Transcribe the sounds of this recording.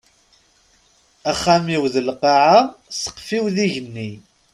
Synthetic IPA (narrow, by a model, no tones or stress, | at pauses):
æχːæmiwðəlqɑʕasə̥qːfiwðiʝənːi